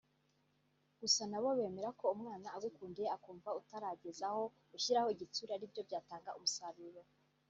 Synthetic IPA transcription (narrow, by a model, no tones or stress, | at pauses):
ɡ̥usanaβo̞βe̞ːme̞ɾako̞umŋaːnaːɡukuːndeakuːɱvautaɾaɟezaho̞ | ɡuʃiɾaho̞iɟit͡suɾaɾibjo̞bɟaːtaːŋɡaʔumusaβiɾo